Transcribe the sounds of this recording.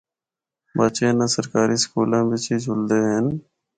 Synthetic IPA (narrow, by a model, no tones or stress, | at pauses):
baːt͡ʃeːnãːsəɾkaːɾiːskuːlãːʋɪt͡ʃiːd͡ʒʱʊld̪eːɦən